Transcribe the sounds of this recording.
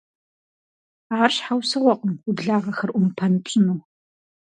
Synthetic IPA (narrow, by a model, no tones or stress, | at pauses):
ʁarɕħawsɨʁʷɔqʼəmʊbɮaːʁɐxɐrʔʷʊmpʰɐnɨpʷʼɪnuː